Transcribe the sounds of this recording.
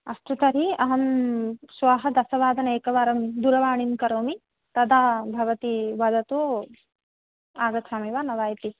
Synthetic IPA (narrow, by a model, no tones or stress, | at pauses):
ɐst̪ut̪ɐɾiɐɦɐmsʋaːɦɐd̪ɐsɐʋaːd̪ɐnɐeːkɐʋaːɾɐmd̪uɾɐʋaːɳinkɐɾoːmi | t̪ɐd̪aːbʱɐʋɐt̪iʋɐd̪ɐt̪oː | aːɡɐt̪t͡ʃʰaːmiʋaːnɐʋaːjt̪i